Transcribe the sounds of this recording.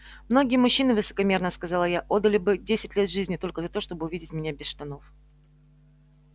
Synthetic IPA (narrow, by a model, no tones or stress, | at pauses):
mno̞ɡʲɪjəmʊɕːinɨvɨsə̥kɐmʲe̞rnəskɐzɑlˠəjaʔo̞d̪ːəlʲɪbɨdʲesʲɪtʲlʲe̞t̪ʐɨzʲnʲɪt̪o̞lʲkəzɐt̪o̞ʂt̪o̞bɨʊvidʲɪtʲmʲɪnʲabʲɪsʂt̪ɐno̞f